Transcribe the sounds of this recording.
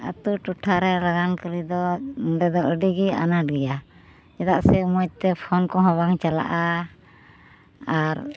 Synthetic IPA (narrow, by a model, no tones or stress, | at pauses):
a̰t̪uʈuʈʰaɾɛɾaɡankəɾid̪ɔɖɛd̪ɔʔəɖiɡia̰naʈ̚ɡɛja | d͡ʒɛd̪aʔsɛmut̪ɛpʰɔnkɔɦɔbaŋt͡ʃala̰ʔa | aɾ